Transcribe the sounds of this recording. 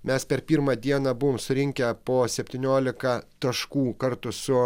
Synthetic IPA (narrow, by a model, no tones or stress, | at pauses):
mʲɛspʲɛɾpʲiːɾmɐd̪ʲiɛnɐːbʊʋoːmsʊɾʲɪŋʲkʲɛpoːsʲɛpʲt̪ʲiːnʲoːlʲɪkɐt̪ɐʃkuːkɐɾt̪ʊsʊ